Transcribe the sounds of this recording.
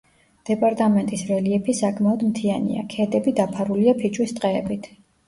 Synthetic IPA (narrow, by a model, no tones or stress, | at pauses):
d̪̥ɛpʼaɾt̪ʼamɛnt̪ʼisɾɛliɛpʰisakʰmaɔd̪mt̪ʰianḭa̰kʰɛd̪ɛbid̪apʰaɾuliapʰit͡ʃʼwist̪ʼqʼɛːbit̪ʰ